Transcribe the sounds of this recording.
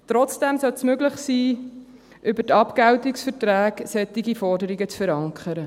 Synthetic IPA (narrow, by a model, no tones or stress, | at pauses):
t̪ɾɔt͡sd̥ɛmsœltsmøɡlɪχsiː | ʔʏbətɑpkæwtɪksfətɾæːɡsɛt̪ːɪɡifɔɾdəɾiɡət͡sfəɾɑŋkʰχəɾə